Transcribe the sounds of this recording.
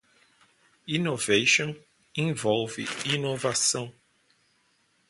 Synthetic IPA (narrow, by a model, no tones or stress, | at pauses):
inovejʃõ | ẽvɔwvɪ̰inovasɐ̃w̃